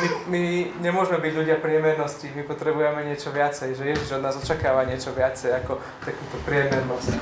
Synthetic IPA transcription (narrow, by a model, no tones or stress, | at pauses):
mimiɲɛmʊɔʒmɛbiɟʎuɟɪapɾɪɛmɛɾnɔscimipɔt̪ɾɛbujɛmɛɲɪɛt͡ʃɔʋɪat͡sɛjʒɛjɛʒiʒɔd̪naːzɔt͡ʃakaːʋaɲɪɛt͡ʃɔʋɪat͡sɛjakɔ | t̪akut̪ɔpɾɪɛmɛɾnɔsc